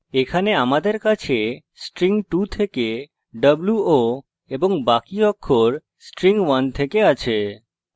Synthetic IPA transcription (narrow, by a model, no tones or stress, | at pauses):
ekʰaneamad̪eɾkat͡ɕʰe | sʈɾiŋʈut̪ʰeke | ɖəbluo | eboŋbakiɔkʰːoɾ | sʈɾiŋwant̪ʰekeat͡ɕʰe